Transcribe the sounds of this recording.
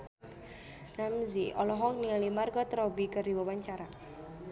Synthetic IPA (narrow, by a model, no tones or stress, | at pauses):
ramziɔlɔɦɔkniŋalimarɡɔt̪ɾɔbikərdiwawaɲt͡ʃaɾa